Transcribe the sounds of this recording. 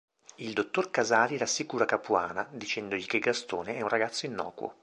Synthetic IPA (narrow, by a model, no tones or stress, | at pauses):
ild̪ot̪ːorkazaːɾiɾasːikuːɾakapuaːnad̪it͡ʃɛnd̪oʎikeɡast̪o̰ːneɛunraɡat̪sːoinːɔ̰ːkwo̰